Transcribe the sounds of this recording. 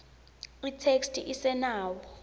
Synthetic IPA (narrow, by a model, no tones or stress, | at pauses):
itʰekstʰʼiʔisɛnaːwɔ